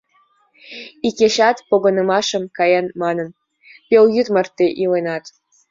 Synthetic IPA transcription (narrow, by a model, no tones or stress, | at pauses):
ikʲeɕɑt̪poɡɤ̆nə̆mɑʃə̆mkɑjɑnmɑnə̆n | pʲeljyt̪mə̆rt̪ːeʔilenɑt̪